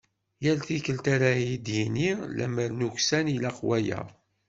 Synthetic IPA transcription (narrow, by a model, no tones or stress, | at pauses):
jælθikəlt̪aɾajid̪jinilæ̰məɾnuçsænilæqwæjæ̰